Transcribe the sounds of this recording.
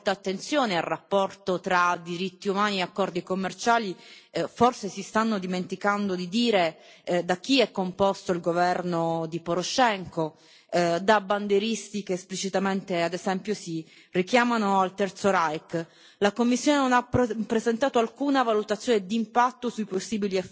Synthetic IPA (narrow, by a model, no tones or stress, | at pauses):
lt̪aːt̪ːent̪sjoːnearːapːɔrt̪ot̪ɾad̪iɾit̪ːiumaːnieakːɔrd̪ikomːert͡ʃaːliforsesist̪anːod̪iment̪ikand̪od̪id̪iːɾe | d̪ak̟ːiɛkːompɔst̪oilɡovɛrnod̪ipoɾoʃɛŋko | d̪aband̪eɾist̪ikeːsplit͡ʃit̪ament̪ead̪ezɛmpjosi | rik̟jaːmanoalt̪ɛrt̪soɾajk | lakomːisːjoːnenonapːɾezent̪aːt̪oalkuːnavalut̪at̪sːjoːned̪impat̪ːosuiposːiːbiliɛ